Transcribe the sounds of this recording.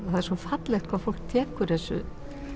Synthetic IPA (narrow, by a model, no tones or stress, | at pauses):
θaðɛɾswɔfat̪lɛxt̪kʰvaðfowl̥k̚t̪ʰɛːkʏɾθɛsːʏ̰